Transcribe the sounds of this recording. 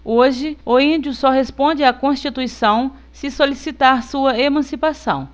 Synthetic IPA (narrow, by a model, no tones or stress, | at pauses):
oʒɪʊĩd͡ʒjʊsɔɦespõnd͡ʒɪakõʃt͡ʃit̪uisɐ̃w̃ | sɪsolisit̪aɾsuɐemɐ̃sipasɐ̰̃w̃